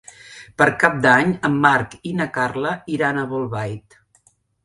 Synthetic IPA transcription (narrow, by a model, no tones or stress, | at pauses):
pəɾkap̚d̪aɲəmːaɾkinəkarləiɾanəβolˠβajt̪